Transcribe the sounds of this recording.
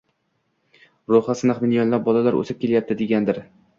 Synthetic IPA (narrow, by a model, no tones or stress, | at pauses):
ɾoχasɪnɪχmɪnjɒnlap̚bɒlalaɾɵ̰sɪp̚kʲʰe̞ljap̚t̪ɪd̪e̞ɡʲand̪ɪɾ